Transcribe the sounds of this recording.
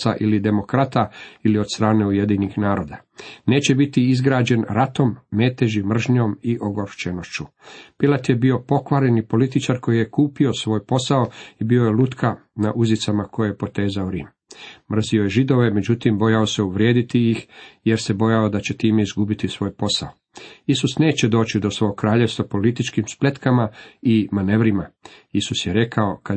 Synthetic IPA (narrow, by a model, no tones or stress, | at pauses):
saʔilid̪e̞mo̞kɾat̪ailio̞d̪̥st̪ɾaːne̞uje̞d̪inixnaːɾo̞d̪ane̞ːt͡ɕe̞bit̪iizɡɾaːd͡ʑe̞nɾat̪o̞mːe̞ːt̪eʒimr̩ʒɲo̞miʔo̞ɡoɾt͡ʃeno̞ʃt͡ʃupilat̪jebio̞po̞kʋaɾenipo̞lit̪it͡ʃaɾko̞jijekuːpio̞sʋo̞ːjpo̞sao̞ibio̞jelut̪kʰana̰ʔuzit̪samako̞jejepo̞t̪e̞ːzaoɾḭːmː | r̩zio̞jeʒid̪o̞ʋe̞me̞d͡ʑut̪imbo̞jaoseuʋɾje̞ːd̪it̪ijixjeɾse̞bo̞jao̞d̪at͡ɕet̪iːme̞izɡubit̪isʋo̞ːjpo̞sa̰o | isusne̞ːt͡ɕed̪o̞ːt͡ɕid̪o̞sʋo̞ɡokɾaːʎe̞ʋst̪apo̞lit̪it͡ʃkimsplʲe̞t̪kamaimane̞ʋɾimaisusjeɾe̞kao̞ka